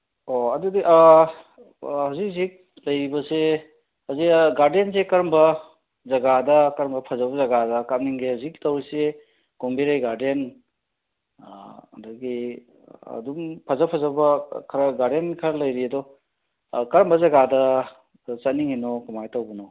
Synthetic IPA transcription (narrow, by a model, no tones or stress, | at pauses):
oɐdudiʔa | hazik̚zik̚ | lɐjɾibɐse | hazikɡaɾdensekɐɾmbɐ | zɐɡadɐkɐɾmbɐpʰɐzɐbɐzɐɡadɐkat̚niŋɡehazik̚tawɾise | ɡ̥ombiɾajɡaɾden | ɐ̰dɐɡi | ɐ̰dumpʰazɐpʰazɐbɐkʰɾɐɡaɾdenkʰaɾɐlɐjɾiɐdɔ | kɐɾmbɐzɐɡadɐ | t͡ʃɐt̚niŋenɔkumajtawbɐnɔ